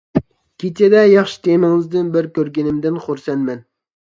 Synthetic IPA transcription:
kʲet͡ʃʰɛd̪ɛjɑχʃi̥t̪ʰemɪŋɨzd̪ɪnbɪɾkʲøɾɡʲinɪmd̪ɪnχoɾsɛnmɛn

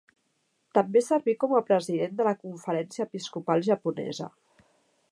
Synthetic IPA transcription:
t̪əmbesəɾβikɔməpɾəziðend̪ələkuɱfəɾɛnsiəːpiskupalˠʒəpunɛ̰zə̰

